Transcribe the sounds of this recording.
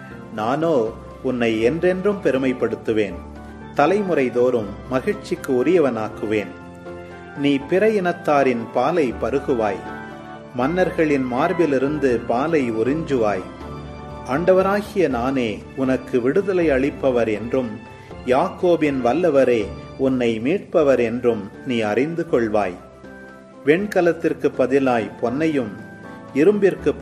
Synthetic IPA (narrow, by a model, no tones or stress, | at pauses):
naːnoː | ʊnːɐɪɛndrɛndrɯmpɛɾɯmɐɪpːɐɽɯt̪ːɯʋeːn | t̪ɐlɐɪmɯɾɐɪðoːɾɯmːɐɣɪɻt͡ʃɪkːɯʊɾɪjɐʋɐnaːkɯʋeːn | niːpɪɾɐjɛnɐt̪ːaːɾɪnpaːlɐɪpɐɾɯɣɯʋaːj | mɐnːɐɾɣɐɭɪnmaːɾʋɪlɪɾɯnd̪ɯpaːlɐɪʊrɪɲd͡ʒɯʋaːj | aːɳɖɐʋɐɾaːɣɪjɐnaːneː | ʊnɐkːɯʋɪɽɯðɐlɐɪɐɭɪpːɐʋɐɾɛndrɯm | jaːkoːbɪnʋɐlːɐʋɐɾeːʊnːɐɪmiːʈ̚pɐʋɐɾɛndrɯmniːɐrɪnd̪ɯkɔɭʋa̰ːj | ʋɛɳkɐlɐt̪ːɪrkɯpːɐðɪlaːjpɔnːɐjɯm | ɪɾɯmbɪrkɯ